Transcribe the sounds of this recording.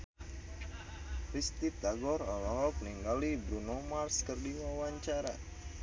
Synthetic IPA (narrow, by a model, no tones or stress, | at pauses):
ɾist̪it̪aɡɔɾalaɦɔkəniŋɡalibɾunɔmarskərdiwawaɲt͡ʃaɾa̰